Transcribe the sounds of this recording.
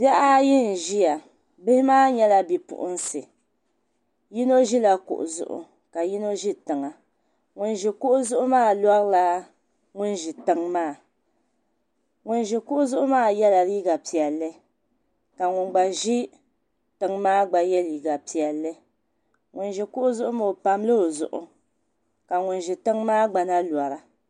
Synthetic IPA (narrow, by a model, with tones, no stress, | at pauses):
bjɛ˦ʔa˦jɪ˦n̩˨ʒi˦ja˨ | bɪ˦hɪ˦maː˦ɲɛ˦la˦bi˨pʊ̰˨ʔʊ̰˦n˦sɨ˨ | ji˦no˦ʒi˦la˦kʊ̰˨ʔʊ̰˨zʊ̰˨ʔʊ̰˨ | ka˨ji˦no˦ʒi˦tɨ˨ŋa˨ | ŋʊ˨nʒɪ˨kʊ˦ʔʊ˦zʊ˦ʔʊ˦maː˦˨lɔ˦ɾla˦ | ŋʊ˦nʒɪ˨tɨ˨ŋmaː˦˨ | ŋʊ˨n˦ʒɪ˨kʊ˦ʔʊ˦zʊ˦ʔʊ˦maː˦˨jɛ˦la˨ɾiː˦ɡa˨pi˨ɛ˨lːɨ˦ | ka˨ŋʊ˨nɡ͡ba˨ʒɪ˦ | tɨ˨ŋmaː˦ɡ͡ba˨jɛ˦li˨ɡa˨pi˨ɛ˨lːɨ˦ | ŋʊ˨nʒɪ˨kʊ˦ʔʊ˦zʊ˦ʔʊ˦mo˨o˨pa˦m˦lɨ˦o˨zʊ̰˨ʔʊ̰˨ | ka˨ŋʊ˨nʒɪ˨tɨ˦ŋmaː˦ɡ͡ba˨na˦lwa˨ɾa˦